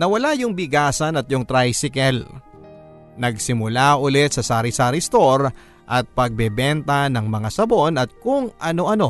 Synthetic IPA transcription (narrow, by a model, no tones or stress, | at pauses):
nɐwɐlajʊŋbɪɡaːsɐnɐt̪̚jʊŋt̪ɾajsɪkɛl | nɐɡsɪmʊlaʔʊlɛt̪̚sɐsaːɾɪsaɾɪst̪o̞ɾ | ʔɐt̪̚pɐɡ̚bɛbɛnt̪ɐnɐŋmɐŋasɐbo̞nɐt̪̚kʊŋʔɐno̞ʔɐno̞